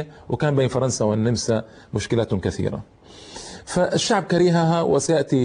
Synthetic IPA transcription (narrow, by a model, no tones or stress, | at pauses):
awʔɪkaːnbeːnfɑɾˤɑnsawɪnːɪmsa | mʊʃkɪlaːt̪kaθḭːɾa̰ | faʔɪʃːaʕb̚kaɾiːɦaɦawɪ̰sajaʔt̪i